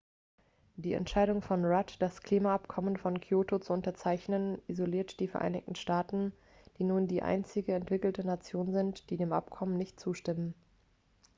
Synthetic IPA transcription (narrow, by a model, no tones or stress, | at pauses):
d̥iːɛ̰ntʃaɪɾʊŋfɔnʁatd̥askl̥iːmaapkʰɔmənfɔnkʰjoːtot͡suʊntɐt͡saɪçnənʔizoliːɐtd̥iːfɛɐʔa̰ɪnɪ̰çtn̩ʃtaːtn̩ | d̥iːnuːndiːʔa̰ɪnt͡sɪɡəɛntv̥ɪkl̩tənat͡sjoːnzɪntd̥iːdeːmʔa̰pkʰɔmənɪçtt͡suːʃtɪmən